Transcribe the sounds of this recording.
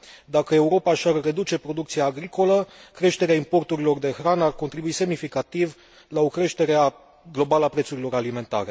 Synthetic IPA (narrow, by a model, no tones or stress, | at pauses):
d̪akəe̞uɾo̞paʃarːe̞d̪ut͡ʃe̞pɾo̞d̪ukt̪sijaːɡɾiko̞ləkɾe̞ʃt̪e̞ɾeaimpo̞rt̪uɾilo̞rd̪e̞xɾanarkont̪ɾibuise̞mnifikat̪iv | lao̞kɾe̞ʃt̪e̞ɾea | ɡlo̞baləapɾe̞t̪suɾilo̞ɾalime̞nt̪a̰ɾe̞